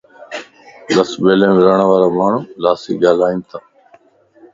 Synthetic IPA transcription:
ləsɓeːlẽːmːɾəɳʋaːɾaːmaːɳ̤ũːlaːsḭːɠaːlaːĩːnt̪ʰaː

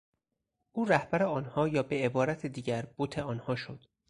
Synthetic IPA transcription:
ʔuːɾæhbæɾeɒːnhɒːjɒːbe̞ebɒːɾæt̪ʰed̪iːɟæɾb̥ot̪ʰe̞ɒːnhɒːʃod̪̥

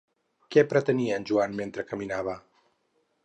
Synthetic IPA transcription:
kɛpɾət̪əniənʲʒuanment̪ɾəkəminaβ̞ə

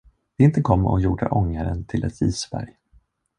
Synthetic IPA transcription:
d̪̥ɛɪnt̪əkʰɔmːɔjuːɖaʔɔŋːaɾənt̪ʰɪlʔɛ̰t̪iːsbæ̰ɾj

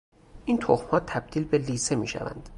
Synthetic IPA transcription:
ʔint̪ʰoxmhɒːt̪ʰæb̥̚d̪̥iːlbeliːsemḭːʃæ̰væ̰nd̪̥

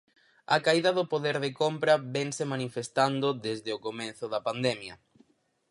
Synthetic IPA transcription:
ɐkaiðɐðʊpoðeɾðekompɾɐβɛŋsemanifest̪and̪ʊðezðeokomẽn̟θʊðɐpand̪ɛmjɐ

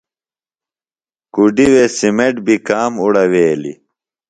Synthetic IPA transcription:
kuɖiwesimeʈbikaːmuɽɐweːlḭ

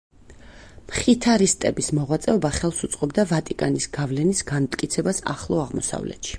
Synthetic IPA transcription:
mχit̪ʰaɾist̪ʼɛbismɔʁwat̪sʼɛɔbaχɛlˠsut̪sʼqʼɔbd̪avat̪ʼikʼanisɡ̥avlɛnisɡ̥anmt̪ʼkʼit̪sʰɛbasa̰χlˠɔaʁmɔ̰sa̰vlɛ̰t̪ʃi̥

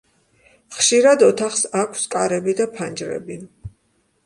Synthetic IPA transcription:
χʃiɾad̪ɔt̪ʰaχsakʷʰskʼaɾɛbid̪apʰand͡ʒɾɛ̰bi

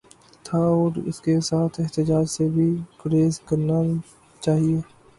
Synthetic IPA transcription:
t̪ʰaɔːɾɪ̰skesaːt̪ʰɪɦt̪ɪd͡ʒaːd͡ʒsebʱikɾeːzkɐɾna | t͡ʃaːɦieː

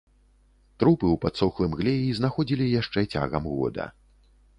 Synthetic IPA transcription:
t̪ɾupɨwpat̪sɔxlˠɨmɣlʲɛiznaxɔd͡zʲilʲijaʂt͡ʂɛt͡sʲa̰ɣɐmɣɔ̰d̪ɐ̰

